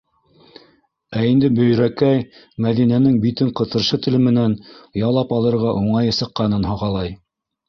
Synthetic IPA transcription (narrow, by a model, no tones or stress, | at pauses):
æind̪ɘbɵ̆j̆ɾækæj | mæðinænɘŋbit̪ɘɴqɤ̆t̪ɤ̆ɾʃɤt̪ɘ̆lɘ̆mɘ̆nænjɑlˠɑpɑlˠɤ̆ɾʁɑʔuɴɑjɤsɤ̆qːɑnɤnɦoʁɑlˠɑj